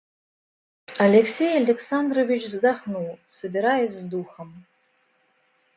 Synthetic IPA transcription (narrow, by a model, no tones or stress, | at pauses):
alʲeksʲejalʲeksand̪rovʲit͡ʃvzd̪aχnuwˠsɐbʲiɾajɛsʲzd̪uxəm